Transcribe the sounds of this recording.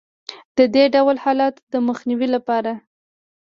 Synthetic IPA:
d̪̥əd̪eɖawlhɑlɑt̪d̪əməxniwilapɑɾa

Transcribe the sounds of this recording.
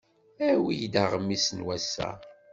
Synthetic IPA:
æwijd̪aʁəmːisnwæsːæ̰

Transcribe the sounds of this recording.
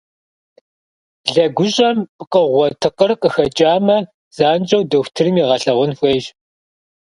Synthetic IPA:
ɮɐɡʷʊɕʼɐmpʼqəʁʷɔtʰɨqərqʼəxɐt͡ʃʼaːmɐ | z̥aːnd͡ʒʼɐwdɐxʷtʰɨrɨmiːʁɐɬɐʁʷʊnxʷeːʒ

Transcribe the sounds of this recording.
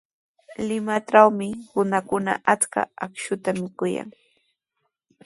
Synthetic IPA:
lɪmaʈ͡ʂawmɪhʊnakʊna̰ʔat͡ska̰akʃʊt̪amɪkʊja̰ŋ

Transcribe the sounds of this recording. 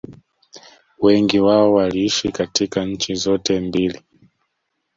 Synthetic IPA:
wɛŋɡiwaɔwaliiʃikatikaɲ̩t͡ʃizɔtɛmbili

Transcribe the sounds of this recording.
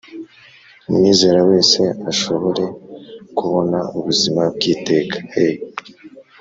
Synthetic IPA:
umŋiːze̞ːɾawe̞ːse̞aʃo̞βo̞ɾe̞kuβo̞nauβuzimab̚ɡiːte̞ːkʰḁej

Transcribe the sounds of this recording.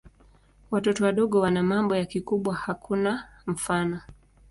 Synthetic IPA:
watɔtɔwaɗɔɠɔwanamambɔjakikuɓwahakʰunam̩fanɔ

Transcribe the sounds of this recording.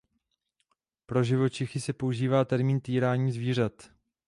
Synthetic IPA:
pɾo̞ʒɪvo̞t͡ʃɪxɪsɛpo̞uʒiːvaːt̪ɛɾmiːnt̪iːɾaːɲiːzviːr̝at̪

